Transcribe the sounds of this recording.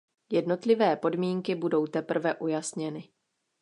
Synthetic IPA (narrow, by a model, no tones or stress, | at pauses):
jɛdno̞t̪lɪvɛːpo̞dmiːŋkɪbudo̞wt̪ɛpr̩vɛʔujasɲɛnɪ